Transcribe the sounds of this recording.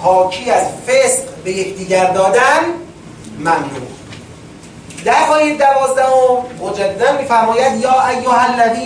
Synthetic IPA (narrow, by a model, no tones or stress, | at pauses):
pʰɒːkʰiːæzfesqbe̞jecʰd̪iːɟæɾd̪ɒːd̪æn | mæmnṵ | d̪æɾɣɒːjed̪ævɒːzd̪æhommod͡ʒæd̪ːæmiːfæɾmɒːjæd̪jɒːʔæjːoɦælːæd̪iː